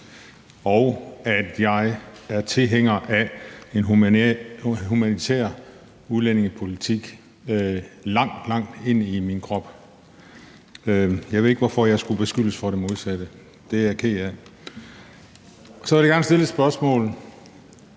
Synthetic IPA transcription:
ɒʊæd̥jɑ̈ɪæɐt͡sʰe̝lɦeŋ̰ɐʔæe̝nɦ | ɦumænit͡sʰḛːɐ̰ | uðˠlene̝ŋəpʰo̝lit͡sʰiɡ̥ | lɑ̈ŋ̰d̥lɑ̈ŋ̰d̥e̝n̰iminkʰʁɒ̽b̥ | jɑ̈ɪeðˠeɡ̥əʋɒfɒjɑ̈ɪsɡ̥ub̥e̝sɡ̥yl̰əsfɒɾ̥emo̝ðˠsæd̥ə | d̥e̝æɐkʰeæ | sɒʋæɾiɡɑ̈ŋnsd̥e̝lsb̥ɶɐsmɔ̰̽ːln̩

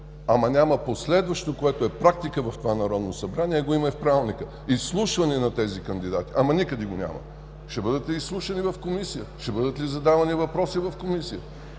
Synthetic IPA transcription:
ɐmɐnʲaməposlɛd̪vɐʃt̪okoɛt̪oɛpɾak̚t̪ikəvɐft̪ovanɐɾɔd̪nosɐbɾaniɛɡoimɐifpɾalˠnikə | islˠuʃvɐnɛnɐt̪ɛzikɐnd̪id̪at̪iʔamɐnikəd̪iɡonʲa̰mɐ̰ | ʃt̪ɛbɤd̪ət̪ɛislˠuʃɐnivɐfkomisijəʃt̪ɛbɤd̪ət̪lizɐd̪avɐnivɐpɾɔsivɐfkomisijə

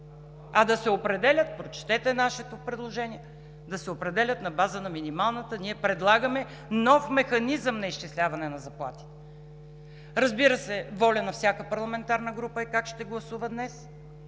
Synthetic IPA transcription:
ɐd̪ɐsɛopɾɛd̪ɛlʲət̪̚pɾot͡ʃt̪ɛt̪ɛnaʃɛt̪opɾɛd̪lˠoʒɛniɛ | d̪ɐsɛopɾɛd̪ɛlʲət̪nɐbazənɐminimalˠnət̪əniɛpɾɛd̪lˠaɡəmɛ | nɔfmɛxɐnizəmnɐiʃt͡ʃislʲavɐnɛnɐzɐplˠat̪i̥t̪ɛ̥ | ɾɐzbiɾəsɛvɔlʲənɐfsʲakəpɐɾlˠɐmɛnt̪aɾnəɡɾupəɛkakʃt̪ɛɡlˠɐsuvəd̪nɛs

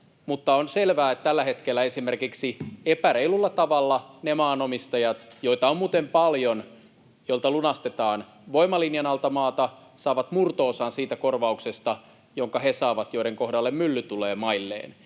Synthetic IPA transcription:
mut̪ːɑonselʋæːet̪t̪ælːæhet̪kelːæesimerkiksiepæɾeilulːɑt̪ɑʋɑlːɑnemɑːnomist̪ɑjɑt̪joit̪ɑommuːt̪empɑljon | joilt̪ɑlunɑst̪et̪ɑːn | ʋoimɑlinjɑnɑlt̪ɑmɑːt̪ɑ | sɑːʋɑt̪murt̪oːsɑːnsiːt̪ækorʋɑuksest̪ɑ | joŋkɑhesɑːʋɑt̪joiɾeŋkohdɑlːemmylːyt̪uleːmɑilːḛːn

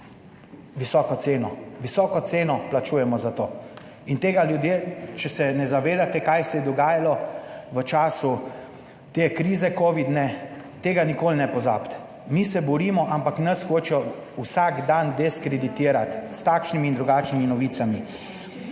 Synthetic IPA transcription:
ʋisɔːkɔt̪seːnɔʋisɔːkɔt̪seːnɔplat͡ʃuːjɛmɔzat̪oː | int̪eːɡaljud̪jet͡ʃɛsɛnɛzaʋeːd̪at̪ɛkajsɛjɛd̪ɔɡaːjalɔʋət͡ʃaːsu | t̪ekɾiːzɛkoːʋid̪nɛ | t̪eːɡanikoːlnɛpɔza̰pt̪ | misɛbɔɾiːmɔʔampaknɐsxoːt͡ʃɔusaɡd̪and̪ɛskɾɛd̪it̪iːɾat̪st̪akʃnimiːnd̪ɾuɡaːt͡ʃniminɔʋiːsami

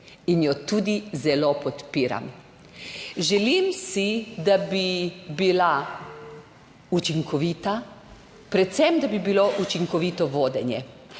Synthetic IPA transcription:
injɔt̪uːd̪izɛlopɔt̪piːɾa̰m | ʒɛlimsid̪abibila | ut͡ʃiŋkʰɔʋiːt̪a | pɾɛt̪sɛmd̪abibiloʔut͡ʃiŋkɔʋit̪ɔʋoːd̪ɛnjɛ̰

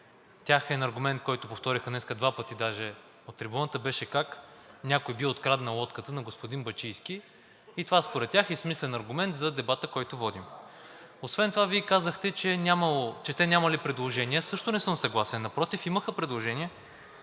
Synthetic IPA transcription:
t̪ʲaxɛnɐɾɡʊmɛnt̪̚kɔjt̪ʊpoft̪ɔɾixənɛskəd̪vapət̪id̪aʒɛ | ot̪ːɾɛbɔnət̪əbɛʃɛkak | nʲakojbiot̪kɾad̪nɐlˠɔt̪kət̪ənɐɡospod̪inbɐt͡ʃijski | it̪ovaspoɾɛt̪ːʲaxismislɛnɐɾɡʊmɛnt̪zɐd̪ɛbat̪əkɔjt̪ʊvɔd̪im | osvɛnt̪ovaviikazəxt̪ɛt͡ʃɛnʲaməlˠot͡ʃɛt̪ɛnʲamɐlipɾɛd̪lˠoʒɛniəsɤʃt̪ʊnɛsɤmsɐɡlˠasɛnːɐpɾɔt̪ifiməxəpɾɛd̪lˠoʒɛniɛ

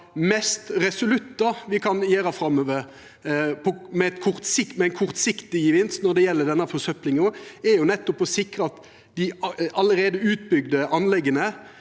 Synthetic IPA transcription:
mɛst̪ʁɛsʊlʉt̪ːɑʋɪkʰɑnjeːɾɑfɾɑmːøːʋəɾ | pʰɔmɛɛt̪kʰʊʁt̪sɪkmɛɛɪnkʰʊʁt̪sɪkt̪ɪjəʋɪnsnɔd̪ɛjɛlːəd̪ɛnːəfɔsœplɪŋoːɛɾjʊnɛt̪ːɔpɔsɪkɾəɑt̪ | d̪ɪɑləɾeːd̪əʉːt̪̚bʏɡd̪əʔɑnlɛɡənə

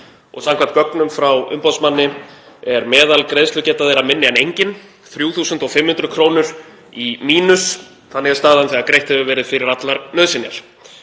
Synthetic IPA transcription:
ɔ̰ɣsamkvant̪̚kœknʏmfɾawʏ̰mpasmanːɪ | ɛɾmɛːðalkɾejðst̪ʏcɛːt̪aðejɾamɪnːɪɛnejɲcɪn | θɾjuːθuːsʏnt̪ɔɣfɪmːhʏnt̪ɾʏkʰɾoːwnʏɾ̥ | imiːnʏs | θanːɪɛst̪aːðanθɛɣakɾejht̪hɛvʏvɛːɾɪðfɪɾɪɾat̪laɾnœðsɪnja̰l̥

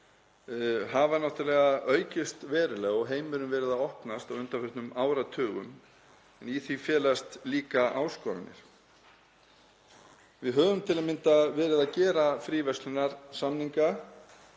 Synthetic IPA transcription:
havanawht̪ʏɾlɛːɣaʔœːɥcɪst̪vɛːɾʏlɛːɣɔɣɦeːjmʏɾʏmvɛːɾɪðaɔhpnast̪awʏnt̪afɛht̪nʏmaːwɾat̪ʰœːɣʏ̰m | ɛniθifjɛːlast̪liːkaʔaːwskɔːɾa̰nːɪ̰ɾ̥ | vɪðɦœːvʏmt̪ʰɪlaðmɪnt̪avɛːɾɪðacɛːɾafɾiːvɛst̪lʏnaɾ̥samniŋka

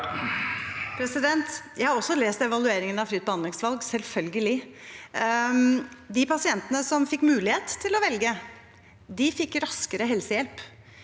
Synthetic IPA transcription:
pʰɾɛsɪd̪ɛnt̪jæɪhɑɾɔsːɔleːst̪ɛʋɑlʉeːɾɪŋənɑfɾyːt̪̚bəhɑnd̪ɪŋsʋɑlɡsɛlfœlɡəlɪ | d̪ɪpʰɑsɪɛnt̪ənəsɔmfɪkːmʉːlɪheːt̪ʰːɪlɔʋɛlɡə | d̪ɪfɪkːɾɑskəɾəɦɛlsəjɛlp

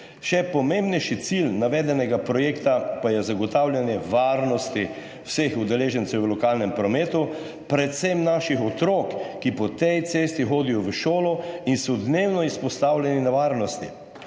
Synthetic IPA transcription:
ʃɛpɔmembnɛjʃit̪silnaʋɛːd̪ɛnɛɡapɾɔjeːkt̪apajɛzaɡɔt̪aːwlʲjanjɛʋaːɾnɔst̪i | wsexud̪ɛleːʒɛnt̪sɛwʋəlɔkaːlnɛmpɾɔmeːt̪u | pɾɛt̪semnaʃixɔt̪ɾoːkːipɔt̪ɛjt̪seːst̪ixoːd̪ijɔʋəʃoːlɔinsɔd̪newnɔispɔst̪awlʲjɛninaʋaːɾnɔst̪ḭ

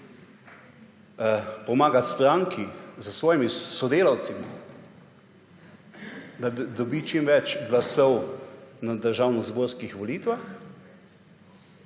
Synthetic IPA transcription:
pɔmaːɡat̪st̪ɾaŋkʰizəsʋɔːjimisɔd̪eːlawt̪simi | d̪ad̪ɔbit͡ʃimʋɛt͡ʃɡlasɔwnad̪əɾʒawnɔzboːɾskixʋɔliːt̪ʋax

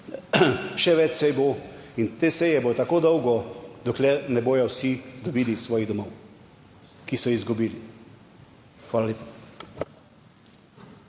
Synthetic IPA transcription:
ʃɛʋɛt͡ʃsɛjbo | int̪eːsɛjɛboːt̪akoːd̪ɔwɡɔd̪ɔklɛɾnɛboːjɔwsid̪ɔbiːlisʋɔːjiɣd̪ɔmɔw | kisɔizɡubiːli | xʋaːlaleːpa

